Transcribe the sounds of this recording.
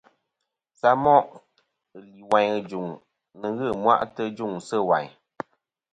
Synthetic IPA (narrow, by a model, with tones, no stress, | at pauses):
sa˦mɔ˦ʔ | ɨ˨li˨wa˨ɲɨ˦d͡ʒu˨ŋ | nɨ˨ɣɨ˦˨mwa̰˦ʔtə˦d͡ʒu˦˨ŋsɨ˦˨wa˨ɲ